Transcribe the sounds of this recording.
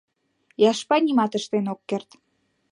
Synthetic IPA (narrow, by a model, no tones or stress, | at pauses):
jɑʃpɑnʲimɑt̪əʃt̪enokːert̪